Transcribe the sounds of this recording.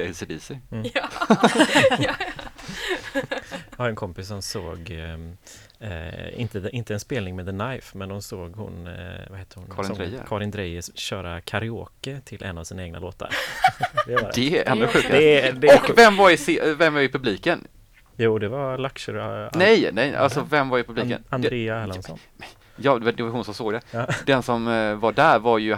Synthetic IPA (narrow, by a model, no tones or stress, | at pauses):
ɛsɪd̪iːsɪ | jhaɾɛnkʰɔmpɪssɔmsoːɡ | ɪ̰nt̪əd̪ʔɪnt̪əɛnspeːlnɪŋmɛd̪ðənajfmɛnd̪ɔmsoːɡhʊ̰nvaheːt̪əɾhʊnʰɾɛ̰kʰɑɾɪnd̪ɾɛjəɕœːɾakʰaɾɪoːkət̪ʰɪlʔɛ̰nːavsiːnaeːɡna̰lo̰ːt̪ʰa̰ɾ | dd̥̪ɛʔɛ̰nd̪ʊɧʉ̟ːkad̪ɔvɛmːvaɾɪsɪvɛmvaɾɪpʰɵbliːkən | juːd̪ɛvaɾlakʂəɾnɛjnɛja̰lsɔvɛmvaɾɪpʰɵblikə̰nad̪ɾeːaɛlansɔ̰n | ɛ | jɑːd̪d̪ɛvaɾhʊnsɔmsoːɡd̪ɛd̪ɛnsɔmvaɖæɾvaɾjɵ